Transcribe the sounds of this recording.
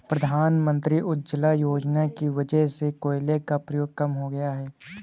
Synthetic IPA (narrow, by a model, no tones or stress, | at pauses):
pɾɐd̪ʱaːnmə̃nt̪ɾiʔʊt̪d͡ʒəlajoːd͡ʒnakiʋɐd͡ʒɛɦsekoːɪlekapɾɐjoːɡ̚kɐmɦoɡɐjaɦɛː